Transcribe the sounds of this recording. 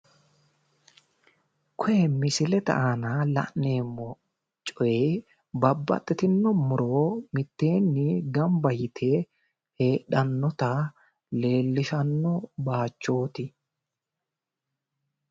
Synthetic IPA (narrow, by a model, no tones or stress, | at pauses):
kʰɔjɛmɪsɪlɛt̪ɐ̰ʔanɐlɐ̰ʔne̞ːmːɔ | t͡ʃʼɔje | bɐbːɐ̰t̪ʼːɛt̪ɪnːɔmʊɾoːmɪt̪ːe̞ːnːɪɡɐmbɐjɪt̪ʰe | he̞ːᶑɐnːɔt̪ɐ | le̞ːlːɪʃɐnːɔbaːt͡ʃːo̞ːt̪ɪ